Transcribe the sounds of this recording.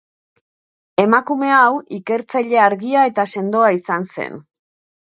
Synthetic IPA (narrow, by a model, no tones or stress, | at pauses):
e̞makume̞awike̞ɾt͡saʎe̞aɾɣiae̞t̪ase̞nd̪o̞aisanse̞̰n